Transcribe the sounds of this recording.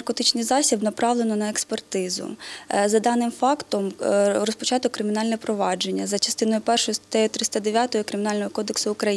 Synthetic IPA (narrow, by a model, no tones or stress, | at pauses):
ɐrkɔt̪it͡ʃnɪjzɑsʲibnɐpɾɑʋlˠenɔnɐekspert̪ɪzʊ̰zɐd̪ɑnɪmfɑkt̪ɔmrɔspɔt͡ʃɑt̪ʊkːɾɪmʲiɪnɑlʲnɛpɾɔʋɑd͡ʒe̞nʲːɐzɐt͡ʃɐ̥st̪ɪnɔjʊpɛrʃɔjʊst̪t̪ɛjʊt̪ɾɪsʲt̪ɐd̪eʋʲjat̪ɔjɔkɾɪmʲinɑlʲnɔɦɔkɔd̪eksʊːkɾɐji